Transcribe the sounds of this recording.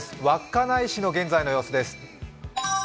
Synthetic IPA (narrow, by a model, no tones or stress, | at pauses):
sɨ̥βakːanaiɕino̞ɡẽ̞nd͡zaino̞jo̞ːsod̪e̞sɨ̥